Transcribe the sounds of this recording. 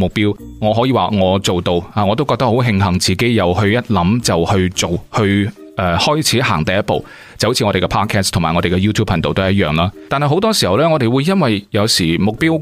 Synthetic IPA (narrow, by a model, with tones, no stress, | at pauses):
mʊ˨k̚piː˥w | ŋɔː˨˧ɦɔ˨˥jiː˨˧waː˨˩ŋɔː˨˧t͡so˨wt̪o˧waː˨˧ŋɔː˨˧t̪o˥wkɔː˧k̚t̪ɐ˥ho˨˥wɦɪ˧ŋɦɐ˨˩ŋt͡siː˨ke˨˥jjɐ˨˩whɵ˧ɥjɐ˥t̚lɐ˨˥mt͡sɐ˨whɵ˧ɥt͡so˨whɵ˧ɥ | ʔɛ˧hɔː˥jt͡sʰiː˨˥ɦaː˨˩ŋt̪ɐ˨jɐ˥t̚po̰˨w | t͡sɐ˨wt͡sʰi˧ŋɔː˨˧e˨˩kɛː˧pʰɔː˥t̚kʰɛː˥st̪ʰmaː˨˩ŋɔː˨˧ɾe˨˩kɛ˧juː˥t̪ʰu˥pʰɐ˨nt̪o˨t̪ːjɐ˥t̚jœː˨˩ŋlaː˥t̪aː˨nhɐ˨jɦo˨˥wt̪ɔː˥siː˨hɐ˨˩wlɛː˥ŋɔː˨˧ɾe˨jwuː˨˧jjɐ˥nwɐ˨jjɐ˨˧wsiː˨˩mʊ˨k̚piː˥w